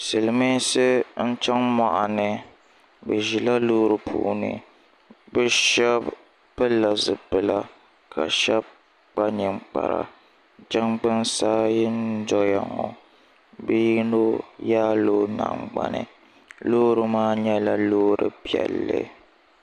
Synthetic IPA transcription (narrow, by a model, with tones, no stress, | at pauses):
sɨ˨lɨ˨mi˦sɨ˦n̩˦t͡ʃɛ˦ŋma˦˨ʔa˨nɨ˨ | bɨ˨ʒi˨la˦loː˦ɾɨ˨pʰṵ˨ʔnɨ̰˨ | bɨ˦ʃɛ˦b | pɨ˦lːa˨zɨ˨pɨ˨la˦ | kʰa̰˨ʃɛ˦b̚ | k͡pa˦ɲɨ˨ŋ͡mk͡pa̰˨ɾa̰˨ | d͡ʒɛ˦ŋɡ͡bɨ˦nsaː˦jɪ˦n˦dɔ˦ja˨ŋɔ˨ | bɨ˦ji˦no˦jaː˦loː˦na̰˨ŋ͡mɡ͡ba̰˦nɨ̰˨ | loː˦ɾɨ˦maː˦ɲɛ˦la˦loː˦ɾɨ˨pi˦˨ɛ̰˨lːɨ̰˦